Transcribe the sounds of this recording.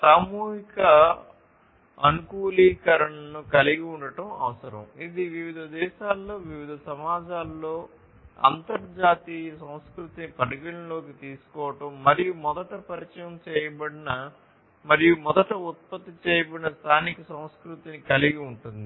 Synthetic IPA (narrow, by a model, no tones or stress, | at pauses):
saːmuːɦikɐ | ɐ̰nukuːliːkɐɾɐɳɐnukɐliɡiuɳɖɐʈɐmɐ̰ʋɐsɐɾɐ̰mid̪iʋiʋid̪ʱɐd̪ɛːʃaːlːo̞ːʋiʋid̪ʱɐsɐmaːd͡ʒaːlːo̞ː | ɐ̰nt̪ɐɾɐd͡ʒaːt̪iːjɐsɐmskɾut̪inipɐɽɐɡiɭɐlo̞ːkit̪iːsu̥kɔːʋɐʈɐmːɐɾijumɔd̪ɐʈɐpɐɾit͡ʃɐjɐmt͡ʃɛːjɐbɐɽinɐ | mɐɾijumɔd̪ɐʈɐut̪̚pɐt̪ːit͡ʃɛːjɐbɐɽinɐst̪ʰaːnikɐsɐ̃w̃skɾut̪inikɐliɡiuɳʈund̪i